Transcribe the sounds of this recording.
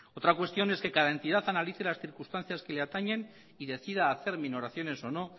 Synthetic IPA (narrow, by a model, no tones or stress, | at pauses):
o̞t̪ɾakwe̞st̪jo̞ne̞ske̞kaðae̞nt̪ið̞aθanaliθe̞lasθiɾkust̪an̟θjaske̞leat̪aɲe̞n | iðe̞θið̞aːθe̞ɾmino̞ɾaθjo̞ne̞so̞no̞